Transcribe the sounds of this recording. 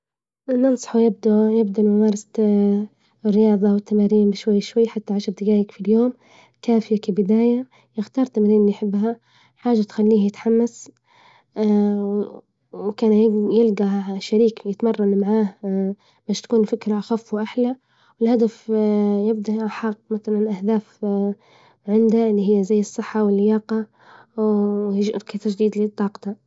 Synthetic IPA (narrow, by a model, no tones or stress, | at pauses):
nɨnsˤɑ̥ħwjɪb̚d̪ajɪb̚d̪amʊmɑːɾˤɑsa | rːɪjɑːðˤɑwɪt̪ːamaːɾiːmbɪʃwajːʃwajːħat̪ːaʕaʃɾd̪ɪɡaːjɪkfiljoːm | kaːfɪjakabɪd̪aːja | jɪxt̪ɑːɾˤt̪amaɾiːnjħɪbːɦa | ħaːʒːat̪xalːiːhjɪt̪ħamːas | kaːnjjɪlɡaʃaɾiːkjɪt̪mɑrˤːɑnmaʕaːh | b̥aːʃt̪ḁkuːnfɪkɾaʔaxafːwʔaħla | wɪlhad̪afjɪb̚d̪aʔħɑqmaθalanʔahd̪aːf | ʕɪnd̪aɪlːiɦɪjːazajːɨsˤːɨħːawɪlːjɑːqɑ | wɪɾkit̪aʒd̪iːd̪lɪt̪ˤːɑːqt̪a